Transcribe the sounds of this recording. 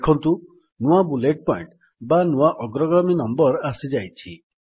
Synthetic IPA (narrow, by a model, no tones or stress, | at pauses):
kʰɔnt̪u | nuabuleʈ̚pɔiɳʈ | banuaʔɔɡɾɔɡɾɔminɔmbɔɾasid͡ʒajt͡ʃʰi